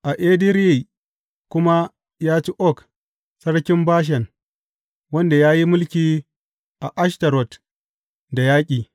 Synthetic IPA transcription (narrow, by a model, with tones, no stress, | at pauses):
ʔa˨ʔeː˦di˦ɾji˦˨ | kʷʊ˦ma˦ | jaː˦t͡ʃi˦ʔɔ˦k | sɐ˦ɽkʲɪ˦mbaː˦ʃ̬ɐ˨n | wɐ˦nda˨jaː˦ji˦mʊ˦lkʲiː˨˦ | ʔa˨ʔa˦ʃtɐ˨ɾɔ˨t | da˨jaː˦kʲʼiː˨